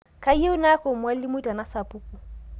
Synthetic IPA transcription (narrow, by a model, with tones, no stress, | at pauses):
kʰʼa˦je˦ʊ˦na˦ko˨mwa˦lɪ˦mʊ˦i˦tʼa˨na˦sa˨pʼu˦kʼu˨